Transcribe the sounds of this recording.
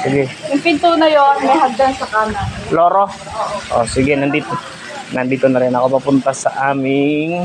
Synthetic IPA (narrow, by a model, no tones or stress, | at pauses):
sɪɡɛjʊŋpɪnt̪unɐjoŋmɛɦaɡ̚d̪ansɐkamloːɾo | ʔo̰sɪɡɛnɐnd̪iːt̪o | nɐnd̪iːt̪onɐɾɛnɐko̞pɐpʊnt̪ɐsɐ̰ʔaːmɪŋ